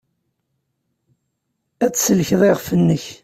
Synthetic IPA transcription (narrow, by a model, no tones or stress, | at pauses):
æt͡sːsəlçðˤeʁfənːəç